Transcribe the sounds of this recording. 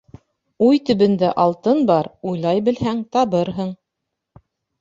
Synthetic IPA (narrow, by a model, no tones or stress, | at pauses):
ujt̪ɵ̆βɘ̆nd̪æʔɑlˠt̪ɤnbɑɾujlˠɑjbɘ̆lhæŋt̪ɑβɤɾɦɤɴ